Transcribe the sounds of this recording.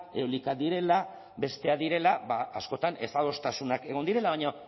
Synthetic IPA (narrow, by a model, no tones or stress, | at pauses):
e̞olikad̪iɾe̞la | be̞st̪e̞aðiɾe̞laβaːsko̞t̪ane̞st̪aðo̞st̪asunake̞ɣ̞o̞nd̪iɾe̞laβaɲo